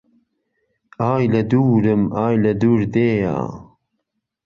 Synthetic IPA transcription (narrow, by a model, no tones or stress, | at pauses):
aːjlɐd̪uːɾɨmaːjlɐd̪uːɾd̪eːja̰ː